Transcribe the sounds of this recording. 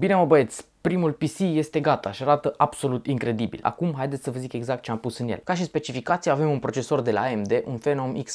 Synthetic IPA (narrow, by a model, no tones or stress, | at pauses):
bineməbəet̪sʲpɾimulpisije̞st̪e̞ɡat̪aʃiaɾat̪əʔab̥so̞lut̪iŋkɾe̞d̪ibḭla̰kumɦajd̪esəvəzike̞ɡzak̚t̪̚t͡ʃeampusɨnjḛlkaʃ̬ispe̞t͡ʃifikat̪sijave̞munpɾo̞t͡ʃe̞so̞rd̪e̞la̰emd̪e̞ʔunfenomiks